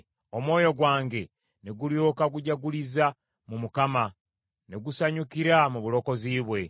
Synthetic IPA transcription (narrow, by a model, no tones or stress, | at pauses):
o̞mwo̞ːjo̞ɡwaːŋɡe̞ | ne̞ɡuljoːkaɡuɟaɡuliza | mumukama | ne̞ɡusaɲukiɾamuβulo̞ko̞ziːβwe̞